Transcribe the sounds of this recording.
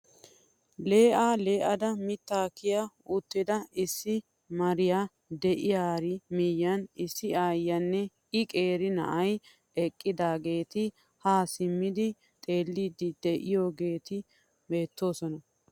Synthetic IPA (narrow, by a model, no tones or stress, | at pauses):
le̞ːʔaːle̞ːʔɐd̪ɐmɪt̪ːaːkɪjaʊt̪ːɪd̪ɐɪsːɪ | mɐɾɪjaː | d̪ɛʔɪjaːɾɪmijːɐnɪsːɪaːjːɐnːɛ | ɪkʼe̞ːɾɪnɐ̰ʔɐj | ɛkʼːɪd̪aːɡe̞ːt̪ɪ | haːsɪmːɪd̪ɪ | t̪ʼe̞ːlːiːd̪ɪd̪ɛʔɪjoːɡe̞ːt̪ɪ | be̞ːt̪ːo̞ːsɔnɐ